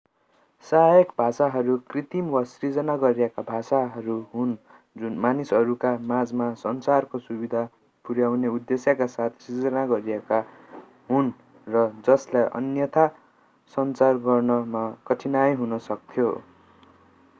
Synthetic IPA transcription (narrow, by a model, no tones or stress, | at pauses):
saɦjʌkbʱasaɦʌɾukrit̪imwʌsrid͡zʌnaɡʌɾijekabʱasaɦʌɾuɦun | d͡zunmanisʌɾukamad͡zmasʌnt͡sarkosubid̪ʱa | puɾjawneud̪ːesjakasat̪ʰsid͡zʌnaɡʌɾijeka | ɦun | rʌd͡zʌslajʔʌ̰njʌt̪ʰa | sʌnt͡sarɡʌrnʌmakʌʈʰinajɦunʌsʌk̚t̪ʰjo̰